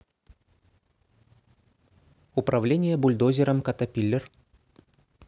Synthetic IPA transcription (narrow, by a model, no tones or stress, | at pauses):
upɾʔɐvlʲenʲɪjəbʊlʲd̪ozʲɪɾəmkɐt̪ɐpʲilʲːɪr